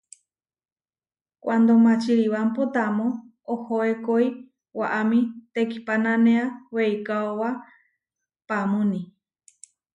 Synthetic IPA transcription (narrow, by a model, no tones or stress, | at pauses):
kʷand̪omat͡ʃiɾiwampot̪amõ | ohoekoj | waʔamĩt̪eki̥panãneawejkaowa | pamũnĩ